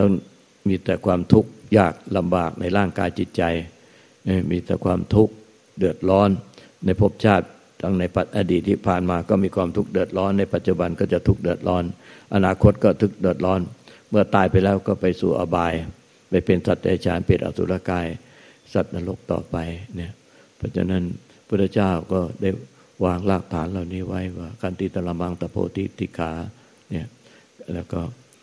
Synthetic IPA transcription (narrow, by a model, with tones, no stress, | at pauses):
t̪a˥˩ŋ | miː˧t̪ɛː˨˩kʰwaː˧mt̪ʰu˦˥k̚jaː˧˩k̚la˧mbaː˨˩k̚nʔa˧jɾaː˥˩ŋkaː˧jt͡ɕi˨˩t̪̚t͡ɕa˧j | miː˧t̪ɛː˨˩kʰwaː˧mt̪ʰu˦˥˩k̚ | dɯ˨˩ət̪̚lɔː˦˥nː | a˧jpʰo˦˥˩p̚t͡ɕʰaː˥˩t̪̚ | d̪a˧ŋna˧jpa˨˩t̪̚ʔa˧diː˨˩t̪ʰːiː˥˩pʰaː˨˩nmaː˧kɔː˥˩miː˧kʰwaː˧mt̪ʰu˦˥k̚dɯ˨˩ə˩t̪̚lɔː˦˥nːa˧jpa˨˩t̪̚t͡ɕu˨˧ba˧nkɔː˥˩t͡ɕa˨˩t̪ʰu˦˥k̚dɯ˨˩ət̪̚lɔː˦˥nʔa˧naː˧kʰo˦˥t̪̚kɔː˥˩t̪ʰɯ˦˥k̚dɯ˨˩ət̪̚lɔː˦˥nmɯ˥˩ɐt̪aː˧jpa˧jlɛː˧˥˩wkɔː˥˩pa˧jsuː˨˩ʔa̰˧baː˧j | pa˧˩jpe˧nsa˨t̪̚t͡ɕa˧ja˧˩t͡ɕʰa̰ː˨˦˥npeː˨˩t̪ʔa̰˧˩sʰṵ˧˦la˧˩kaː˧˩j | sa˨˩t̪̚na˧lo˦˥˩k̚t̪ɔ̰ː˨˩pa˧jni˥˩ɐ | pʰɔː˧˩t͡ɕʰa̰˧na˦˥˨n | pʰu˥˩t̪ʰːa˧˥˧t͡ɕaː˥˩wkɔː˥˩daː˥˩j | waː˧ŋlaː˧˩k̚t̪ʰaː˨˦nla˨˩wniː˦˥˩wa˦˥˩jwaː˥˩kʰa˧˥nt̪iː˧˩t̪ʰa˧la˧ma˧ŋt̪a˧pʰo̰ː˧˦t̪ʰḭ˧˥˩t̪ʰiː˧˩kʰaː˨˦ | ni˥˩ | lɛː˦˧˥wkɔː˥˩